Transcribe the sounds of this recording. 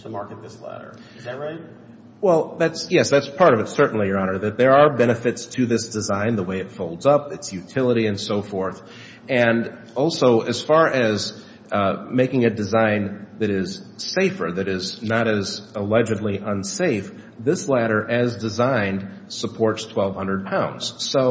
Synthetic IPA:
tʰəmɑɹkɨt̪̚ðɪslæ̰ɾə̰˞ | ɹaɪt̚ | wɛlˠðætsjɛsðætspʰɑɹɾʌvɨtsɜ˞ʔn̩lijə˞ɑnə˞ðɨt̪̚ðə˞ːbɛnɨfɨtstʰɨðɪsd̥ɨzãɪ̃nðəweɪɨtfoʊlˠdzʌpɨtsjʉtʰɪlˠəɾiɨ̃nsoʊfɔɹθ | ɨ̃n | ɔlˠsoʊʔɨz̥fɑɹʔɨz | meɪkɪ̃ŋɨdɨzãɪ̃nðɨɾɪz̥seɪfə̰˞ðɨɾɪznəɾɨzəlɛd͡ʒɨdˡliʔə̃nseɪf | ðɪslæɾə˞ʔɨzdɨzãɪ̃nd | səpʰɔɹtstʰw̥ɛlˠv̥hʌ̃ndɹəd̚pʰãʊ̃ndz̥soʊ

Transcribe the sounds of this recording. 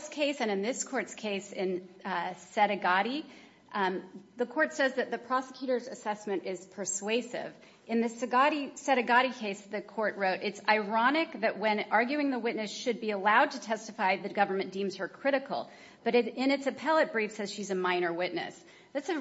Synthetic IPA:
skʰeɪsɨ̃nɨ̃nðɪskʰɔɹtskʰeɪsɪ̃n | sɛɾɨɡɑɾi | ðɨkʰɔɹtsɛzðɨt̪̚ðɨpʰɹ̥ɑsə̥kʰj̥ʉɾə˞zɨsɛsmɨ̃ñɪz̥pʰə˞sweɪsɪ̰v | ʔɨ̃nðɨsɨɡɑɾisɛɾɨɡɑɾikʰeɪsðɨkʰɔɹt̚ɹoʊɾɨtsaɪɹɑñɪk̚ðɨʔ̚wɨ̃nɑɹɡjʉɪ̃ŋðəwɪtⁿnɨsʃɨd̚biəlaʊd̚tʰɨtʰɛstɨfaɪðɨt̚ɡ̥ʌvə˞mɨ̃nd̥ĩmz̥hə˞kʰɹ̥ɪɾɨkl̩ˠ | b̥ʌɾɨɾɪ̃ñɨtsɨpʰɛlˠət̚b̥ɹifsɛz̥ʃizɨmãɪ̃ñə˞wɪtⁿnɨ̰s | ðætsɨ

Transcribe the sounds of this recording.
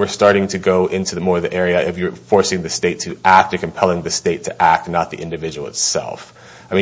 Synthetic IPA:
wɨ˞stɑɹɾɪ̃ŋtʰɨɡoʊʔɪ̃ntʰʉðəmɔɹʌvðiʔɛɹiɨʔɨfjə˞fɔɹsɪ̃ŋðɨsteɪtʰɨʔæk̚tə˞kʰɨ̃m̩pʰɛlˠɪ̃ŋðɨsteɪtʰɨʔæk̚tⁿnət̪̚ðḭʔɪ̃ndɨvɪd͡ʒɨwl̩ˠə̰tsɛ̰lˠf | aɪmĩ

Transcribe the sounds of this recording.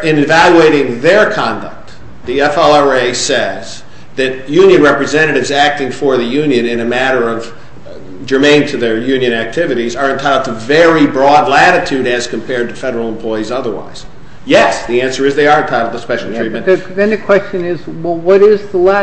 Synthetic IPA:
ɪ̃nɨvælˠjʉeɪɾɪ̃ŋðə˞kʰɑ̃ndʌ̰k̚t̪̚ | ðiɛfɛlˠɑeɪsɛz | ðɨt̚jʉ̃njɨ̃nɹɛpɹɨzɛ̃ñɨɾɨvzæk̚tɪ̃ŋfə˞ðɨjʉ̃njɨ̃nɨ̃nɨmæɾə˞ʌv | d͡ʒə˞mẽɪ̃ntʰɨðə˞jʉ̃njɨ̃ñæk̚tʰɪvɨɾizə˞ɨ̃ntʰaɪɾlˠʌðɨvɛɹibɹɔdˡlæɾɨtʰʉɾɨz̥kʰɨ̃m̩pʰɛɹd̚tɨfɛɾə˞l̩ˠə̃m̩pʰl̥ɔɪizʌðə˞wa̰ɪz̥ | jɛsðiæ̃nsə˞ɨzðiɑɾɨtʰaɪɾl̩ˠðəspɛʃl̩ˠtʰɹ̥it̚ɨ̃ntðɨ̃nðɨkʰw̥ɛst͡ʃɨ̃nɪzwɛlˠwʌɾɪzðəlæ

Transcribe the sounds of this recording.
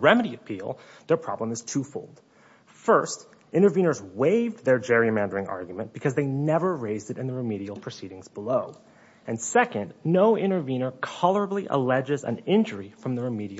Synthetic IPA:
ɹɛmɨɾiɨpʰilˠ | ðə˞pʰɹ̥ɑ̰blə̃mɨz̥tʰufoʊlˠd̥ | fɜ˞st | ʔɪ̃ɾ̃ə˞vĩñə˞zweɪvðə˞d͡ʒɛɹimæ̃ndə˞ɪ̃ŋɑ̰ɹɡjmɨ̃nb̥ɨkʰʌzðeɪnɛvə˞ɹeɪzdɨɾɨ̃nðəɹɨmiɾil̩ˠpʰɹ̥ɨsiɾɪ̃ŋzbəloʊ | ɨ̃nsɛkɨ̃nnoʊʔɪ̃ɾ̃ə˞vĩnə˞kʰɑlˠə˞əbliʔə̰lɛd͡ʒɨzɨ̰̃nɪ̃nd͡ʒə˞ifɹʌ̃mðəɹɨmiɾi

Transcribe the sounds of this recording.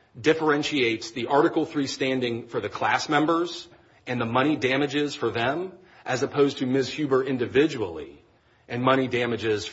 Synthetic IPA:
dɪfə˞ɛ̃nʃieɪtsðiʔɑɹɾɨkl̩ˠθɹistæ̃ndɪ̃ŋfə˞ðɨkʰl̥æsmɛ̃mbə˞z | ɨ̃nðəmʌɾ̃idæmɨd͡ʒɪz̥fə˞ðɨ̃m | ʔɨzəpʰoʊztʰɨmɪz̥hjʉbə˞ʔɪ̃ndɨvɪd͡ʒəwl̩ˠḭ | ʔɨ̃nmʌɾ̃idæmɨd͡ʒɪz̥

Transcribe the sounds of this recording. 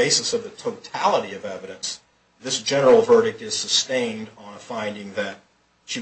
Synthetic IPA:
eɪsɨsʌvðɨtʰoʊtʰælˠəɾiʌvɛvɨɾɨ̃ns | ðɪsd̥ʒ̥ɛnə˞l̩ˠvɜ˞ɾɨk̚tɨz̥sɨstẽɪ̃ndn̩fãɪ̃ndɪ̃ŋðɨt̚ | ʃi

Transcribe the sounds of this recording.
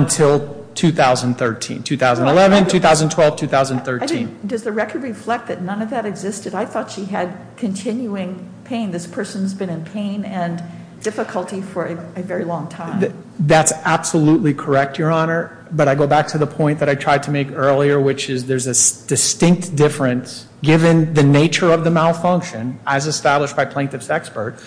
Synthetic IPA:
ɨ̃ntʰɪlˠ | tʰʉθaʊzɨ̃n̩θɜ˞tʰḭ̃ntʰʉθaʊzn̩dəlɛvɨ̃ntʰʉθaʊz̃n̩tʰw̥ɛlˠv̥tʰʉθaʊz̃n̩θɜ˞aɪĩndʌzðɨɹɛkə˞d̚ɹiflɛk̪̚ðɨtⁿnʌ̃nʌvðɨɾɨɡzɪstɨɾaɪθɔtʃiɨd̚ | kʰɨ̃ntʰɪ̃njuɪ̃ŋ | pʰẽɪ̃nðɪspʰɜ˞sɨ̃n̩zbɨ̃nɨ̃npʰẽɪ̃nɨ̃n | dɪfəkʰəl̩ˠtifə˞ɨɨvɛɹilɔ̃ŋtʰãɪ̃m | ðætsæb̥səlutˡlikʰə˞ɛk̚tjə˞ɑnə˞ | bʌɾaɪɡoʊbæk̚tʰɨðəpʰɔ̃ɪ̃nðɨɾaɪtʰɹ̥aɪd̚tʰɨmeɪkɜ˞lˠiə˞wɪt͡ʃɪzðə˞zɨsd̥ɨstɪ̃ŋk̚td̥ɪfɹɨ̃ns | ɡ̥ɪvɨ̃nðɨneɪt͡ʃə˞ʌvðɨmalˠfʌ̃ŋkʃɨ̃nɨzɨstæbləʃb̥aɪpʰl̥ẽntɨvsɛkspə˞t̚

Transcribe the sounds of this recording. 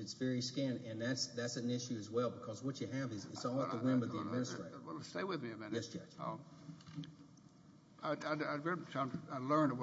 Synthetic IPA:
ɨtsvɛɹiskæ̃nɨ̃nðætsðætsɨ̃n̩ɪʃʉɨzwɛlˠbəkʰʌzwʌt͡ʃɨɨvɨzɪ̰tsɔlˠəðəwɪ̃mɨðiɨd̚mɪ̃nɨstɹ̥eɪɾwɛlˠsteɪwɨðmiɨmɪ̃njɛsɛ | aɪaɪaɪɡɹɛãɪaɪlɜ̃˞n

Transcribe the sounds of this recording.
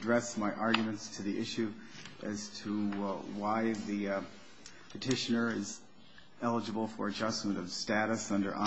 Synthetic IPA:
dɹɛsmaɪʔɑɹɡjmɨ̃ntstʰɨðiʔɪʃʉ | ʔɨz̥tʰəwaɪði | pʰɨtʰɪʃɨnə˞ɪz | ɛlˠəd͡ʒɨbl̩ˠfə̰˞ɨd͡ʒʌsmɨ̃ñʌv̥stæɾɨsʌ̃ndə̰˞ʔã

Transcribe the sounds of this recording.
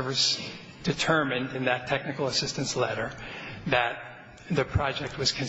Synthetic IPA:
vɨs | d̥ɨtʰɜ˞mɨ̃ndɨ̃nðɨtʰɛk̚nɨkl̩ˠəsɪstɨ̃nslɛɾə˞ðɨt̪̚ | ðɨpʰɹ̥ɑd͡ʒɛk̚t̚wʌz̥kʰɨ̃n

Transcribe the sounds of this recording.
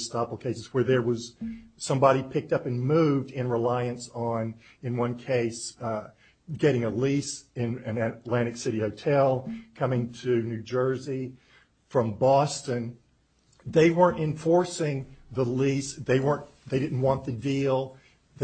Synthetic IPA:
stɑpl̩ˠkʰeɪsɨz̥wə˞ðə˞wʌz̥sʌ̃mbɑɾipʰɪk̚tʌpɨ̃nmʉvdɪ̃nɹəlaɪɨ̃nsn̩ | ɨ̃nwʌ̃nkʰeɪs | ɡɛɾɪ̃ŋəlisɪ̃nɨ̃nɨtˡlæ̃ɾ̃ɨksɪɾihoʊtʰɛlˠkʰʌ̃mɪ̃ŋtʰɨnʉd͡ʒɜ˞zi | fɹʌ̃mbɔstɨ̃n | ðeɪwɜ̃˞ntɨ̃ɱfɔɹsɪ̃ŋðəlisðeɪwɜ̃˞n | ðeɪɾɪdⁿn̩ʔ̚wɑ̃nðɨdilˠ | ð

